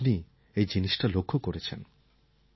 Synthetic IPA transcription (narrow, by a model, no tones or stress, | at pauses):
ni | ejd͡ʑiniʃʈalokʰːokoɾet͡ɕʰen